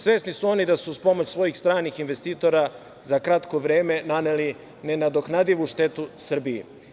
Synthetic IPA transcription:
sʋe̞snisuo̞nid̪asuspo̞mot͡ɕsvʋo̞jixst̪ɾaːnixinʋe̞st̪iːt̪o̞ɾa | zakɾat̪ko̞ʋɾe̞ːme̞naneli | ne̞nad̪o̞knad̪iʋuʃt̪e̞t̪usr̩biḛ

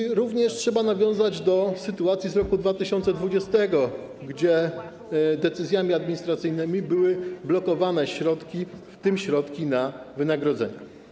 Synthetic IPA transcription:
ɾuvɲɛʂtʂɛbanavʲjɔ̃w̃zad͡ʑd̪ɔsɘt̪uat̪sʲjizɾɔkud̪vat̪ɘɕɔnt̪sɛd̪vud͡ʑɛst̪ɛɡɔ | ɡd͡ʑɛ | d̪ɛt̪sɘzʲjamʲiad̪mʲiɲist̪ɾat̪sɘjnɘmʲibɘwɘblɔkɔvanɛɕɾɔt̪kʲift̪ɘmɕɾɔt̪kʲinavɘnaɡɾɔd̪zɛ̰ɲɛ

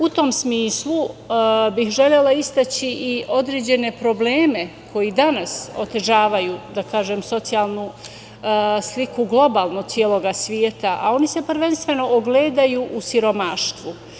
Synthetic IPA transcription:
ut̪o̞msmiːslˠu | bixʒe̞ʎe̞laist̪at͡ɕiʔio̞d̪ɾe̞ːd͡ʑe̞ne̞pɾo̞ble̞ːme̞kʰo̞jid̪anaso̞t̪e̞ʒaːʋajuːd̪akaːʒemso̞t̪sijalˠnu | slikuɡlˠo̞baːlˠnosjeːlˠo̞ɡasʋjeːt̪aʔa̰o̞nise̞pr̩ɾʋe̞nst̪ʋe̞no̞ʔoɡleːd̪ajuːʔusiɾo̞maʃt̪ʋu

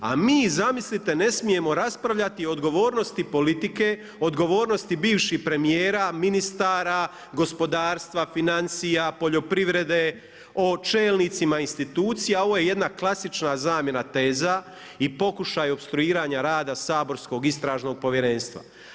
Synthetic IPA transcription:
a̰miːzamislit̪e̞ne̞smije̞mo̞ɾaspɾaʋʎat̪iod̪ɡo̞ʋoːɾno̞st̪ipo̞lit̪ike̞ | od̪ɡo̞ʋo̞ːɾnost̪ibiːʋʃihpɾe̞mijeːɾaminist̪aːɾa | ɡo̞spo̞d̪aːɾst̪ʋafinansijapo̞ʎo̞pɾiʋɾe̞d̪e̞ | o̞t͡ʃe̞ːlnit̪simainst̪it̪uːt̪sijao̞ʋoːje̞je̞d̪naklˠasit͡ʃnazaːmje̞nat̪e̞ːza | ipo̞kuʃajo̞pst̪ɾuiːɾaɲaɾaːd̪asaːbo̞ɾsko̞ɡist̪ɾaːʒno̞ɡ̚po̞ʋjeɾe̞nst̪ʋa̰

